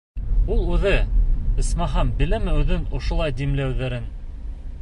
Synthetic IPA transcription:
ulˠʉðɘɘ̆smɑɦɑmbɘ̆læmɘʉðɘnŏʃŏlˠɑjd̪imlæwðæɾɘn

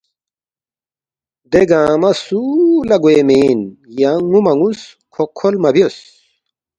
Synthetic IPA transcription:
d̪eɡãːmɐsulɐɡuemeːnjaŋumɐŋus | kʰokʰolmɐbios

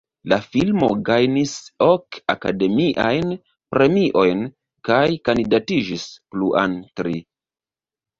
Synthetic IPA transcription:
lafilmoɡajnisoka̰kade̞miʔa̰jn | pɾe̞miʔo̞jn | kajkandidatid͡ʒispluʔa̰ntɾi

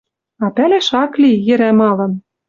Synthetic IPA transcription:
ɑpælæʃɑklijɘ̆ɾæmɑlɤ̆n

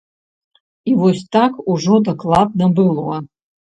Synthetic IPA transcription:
iwostʰakʰuʐodakʼlˠab̚nabɨlwɐ

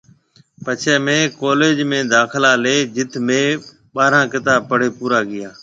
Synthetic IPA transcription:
pət͡ʃʰeːmẽːkoːleːd͡ʒmẽːd̪aːkʰɪlaːleːd͡ʒɪt̪ʰmẽː | ɓaːɾãːkɪt̪aːb̚pəɽ̤eːpuːɾaːɡɪjaː

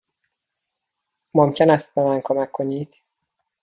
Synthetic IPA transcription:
momcʰenæst̪̚bemænkʰomækʰːoniːd̪̥

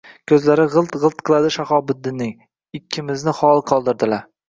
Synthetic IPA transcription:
kʲʰɵzlaɾɪʁɨlˠt̪ʁɨlˠt̪̚qʰɨlˠad̪ɪʃaχɒbɪd̪ːɪnːɪŋ | ɪkʲʰːɪmɪznɪχɒlˠqʰɒlˠd̪ɪɾd̪ɪlaɾ

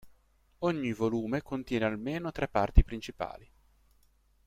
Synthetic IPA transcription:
oɲːivoluːmekont̪jɛːnealmeːnot̪ɾepːart̪ipɾint͡ʃipa̰ːli

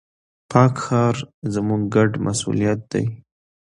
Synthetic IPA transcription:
pʰɑkxɑɾzəmuɡɡaɖmʔasṵlijat̪̚d̪̥a̰j

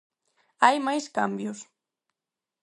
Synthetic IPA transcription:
ajmajskambjʊs

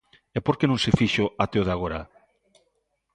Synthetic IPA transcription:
ɛpoɾkenõŋsefiʃoat̪eoðaɣoɾa̰

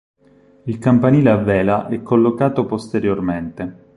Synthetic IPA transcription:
ilkampaniːleavːɛːlaʔɛkʰːolːokaːt̪opost̪eɾjorment̪e

